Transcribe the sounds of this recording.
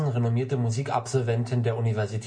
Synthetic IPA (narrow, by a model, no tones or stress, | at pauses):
n̩ʁenomiːɐtəmuziːka̰pz̥ɔlvɛntʰəndeːɐʔunivɛɐzitʰ